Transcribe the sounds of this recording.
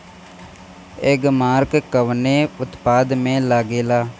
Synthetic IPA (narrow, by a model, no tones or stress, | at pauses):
ɪɡmaːɾkkəʋneːʊt̪paːd̪mẽːlaːɡeːlaː